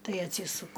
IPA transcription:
ˈtɐɪ ɐtʲˈsʲiːsʊkʊ

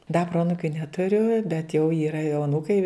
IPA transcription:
dɐ ˈproːɐnʊkʲʊ nʲɛtʊˈrʲʊ bʲɛt jɛʊ ˈiːrɐ jɛʊ ɐˈnuːkɐɪ

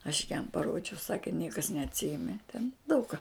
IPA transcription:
ɐʃ jɛm pɐˈroːd͡ʒʲɛʊ ˈsɑːkʲɛ ˈnʲiɛkɐs nʲɛɐtʲˈsʲɪjɛmʲɛ tʲɛn dɐʊk kɑː

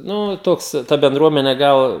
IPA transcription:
ˈnʊ ˈtoːks ˈtɐ bʲɛnˈdruɔmʲɛnʲɛ ˈɡɐlˠ

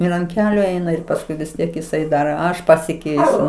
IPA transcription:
ˈɪr ɐnt ˈkʲæːlʲʊ ˈɛɪnɐ ɪr pɐsˈkʊɪ ʋʲɪs ˈtʲiɛk jɪˈsɐɪ ˈdɐr ˈɐʃ pɐsʲɪˈkʲɛɪsʲʊ

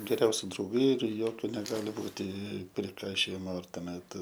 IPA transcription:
ɡʲɛˈrʲɛʊsʲɪ drɐʊˈɡɐɪ ɪr ˈjoːkʲʊ nʲɛˈɡɑːlʲɪ ˈbuːtʲɪ pʲrʲɪˈkɐɪʃʲoːjɪmoː ɪr tuɔˈmʲɛt

